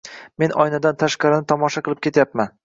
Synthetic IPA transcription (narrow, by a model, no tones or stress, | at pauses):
me̞nʔɒjnad̪ant̪ʰaʃqɑɾɪnɪt̪ʰɒmɒʃaqɨlˠɪp̚kʲʰe̞t̪ʰjapman